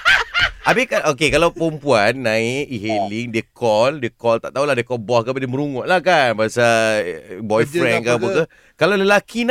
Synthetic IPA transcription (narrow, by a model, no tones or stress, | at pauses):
ʔabekanokekalawpəɾəmpuanːãiiɦeliŋdiəkʰɔldiəkɔlt̪a̰ʔt̪aulahdiəkɔbɔhkabediəməɾuŋɔʔlahkanbaasa | bɔjfɾɛnkabukə | kalaləlakin